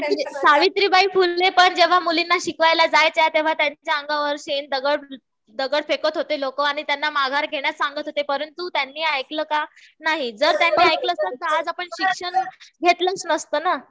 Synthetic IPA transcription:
isaʋit̪ɾiːbaifulːepəɳd͡ʑeʋ̤amulinːaɕikʋajlad͡zajt͡sjat̪eʋ̤at̪jaɲt͡ɕjaəŋɡaʋəɾɕend̪əɡəɽ | d̪əɡəɽfekət̪ɦot̪elokəaɽ̃it̪janːamaɡʱaɾɡʱeɳjat͡ssaŋɡət̪ɦot̪epəɾənt̪ut̪janːiːajkləːkanaɦid͡zəɾt̪janːiːajkləsəd̪ad͡zapəɳɕikʂəɳɡʱet̪ləsnəst̪əːna

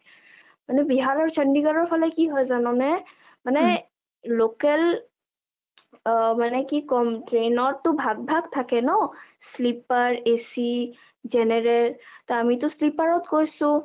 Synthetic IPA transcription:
manɛbiɦaɹɔɹsʰandiɡaɹɔɹpʰalɛkiɦɔjzanɔnɛ | manɛː | okɛl | manɛkikɔmtɹenɔɹtːʊbʱaɡ̚bʱaɡtʰakɛnɔ | slipaɹesi | zɛnɛɹɛtɔamitʊslipaɹɔtkojsʊ̃

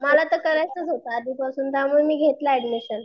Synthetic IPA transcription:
məlat̪əkəɾajt͡sət͡sɦot̪aːɾmipasuːnt̪jamuːɭmiːɡʱet̪laɛɖmiɕən

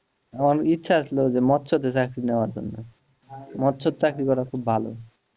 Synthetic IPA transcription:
amaɾitːɕʰaaslod͡ʑemɔtːɕʰot̪̬et͡ɕakɾineoaɾd͡ʑo̰nːo̰ | mɔtːɕʰot̪̚t͡ɕakɾikɔɾakʰubʱalo̰

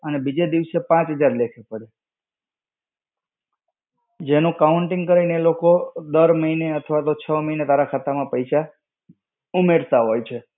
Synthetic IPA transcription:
ənebid͡ʒed̪iʋsepãt͡ʃɦəd͡ʒaɾlekʰepəɽe | d͡ʒenũkauɳʈiŋɡkəɾineelokod̪əɾməɦineət̪ʰəʋat̪ot͡ʃʰəməinet̪aɾakʰat̪amãpəjsa | umeɾt̪aɦojt͡ʃʰe

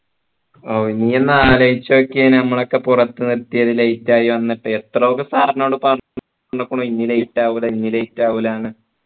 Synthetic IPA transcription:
oːiniːenːɐaːlɐjit͡ɕːoːkːianɨɐmːɐɭo̞kːe̞purɐt̪ːɨnirt̪ːijɐðilejitːaːjiʋɐnːɐʈːet̪rɐʋokːesaːrɐno̞ːɽɨpɐ | ɳːɐkːuɳoːinːilejitːaːʋulɐinːileitːaːʋulaːɳɨ

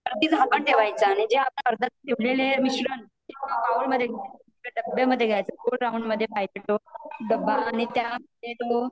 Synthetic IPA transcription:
p̪əɾt̪iːd͡zʱɦakəʈ̚d̪ʰʱeʋajt͡saːɽ̃id͡ʑeapaəɾd̪ʱat̪d̪ʱiʋlelemiɕɾən | ekakaulməd̪ʱjeɡʱeaj | kaɖəbːjaməd̪ʱːjeɡʱeajt͡səkolɾauɳɖməd̪ʱːjepajt̪et̪oɖəbːaːɽ̃it̪jaməd̪et̪o

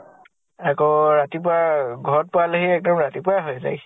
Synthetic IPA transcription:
akɔɹatipʊaɡʱɔɹt̚pʊaleɦiɛk̚dɔmɹatipʊaɦojza̰j

